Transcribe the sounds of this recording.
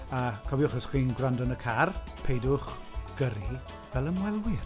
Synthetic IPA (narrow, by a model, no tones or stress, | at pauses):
akʰɔvjʊχəsχwiːnɡrandɔnəkʰarpʰejdʊχ | ɡ̥əɾi | vɛlˠəmwɛlˠwɪr